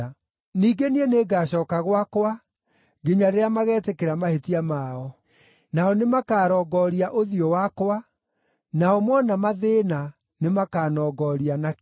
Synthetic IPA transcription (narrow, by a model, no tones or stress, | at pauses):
niːɡenieneɡaɕɔːkaɣwakwa | ɡeɲaɾeamaɣɛːtekeɾamahetiamaɔ | naɔnemakaːɾɔːɡɔɾiaʔoðiowakwa | naɔmwɔnamaðeːna | nemakaːnɔːɡɔɾiana